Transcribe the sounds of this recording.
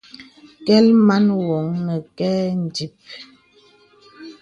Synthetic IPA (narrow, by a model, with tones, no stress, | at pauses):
kɛ˦lma˦nwɔ˨ŋːə˨kɛ˦n̩˨di˨p̚